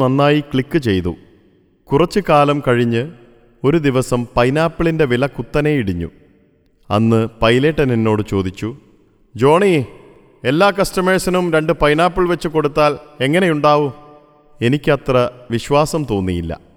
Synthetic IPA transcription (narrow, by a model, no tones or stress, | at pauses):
ɐnːaːjikɭikːɨt͡ɕe̞jt̪ṵ | kurɐt͡ɕːɨkaːlɐmkɐɻiɲːɨ | o̞ɾud̪iʋɐsɐmpɐjnaːpːiɭinde̞ʋilɐkut̪ːɐne̞jiɽiɲːṵ | ɐ̰nːɨpɐjle̞ːʈːɐninːo̞ːɽɨt͡ɕo̞ːd̪it͡ɕːu | d͡ʑo̞ːɳi | e̞lːaːkɐstɐmeɻsɐnumɾe̞ɳɖɨpɐjnaːpːiɭʋet͡ɕːɨko̞ɽut̪ːaːle̞ŋːɐne̞juɳɖaːʋu | e̞nikʲːɨɐt̪rɐʋiɕʋaːsɐmt̪o̞ːnːijilːɐ̰